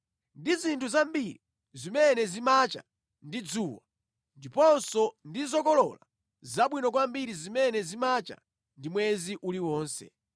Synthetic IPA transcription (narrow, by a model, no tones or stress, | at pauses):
ndizintʰuzambiɾi | zimɛnɛzimat͡ʃa̰ | ndid͡zuːwa | ndipɔnsɔndizɔkɔlɔla | zaɓwinɔk̬wambiɾizimɛnɛzimat͡ʃa̰ | ndimwɛziʔuliwɔːnsɛ̰